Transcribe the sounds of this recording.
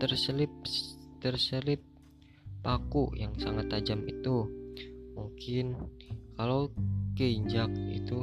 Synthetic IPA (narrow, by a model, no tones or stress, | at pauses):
t̪ərsəlɪp̚t̪ərsəlɪp̚ː | akujaŋsaŋat̪ad͡ʒamḭt̪u | muŋkɪnkalawkəiɲd͡ʒak̚ḭt̪u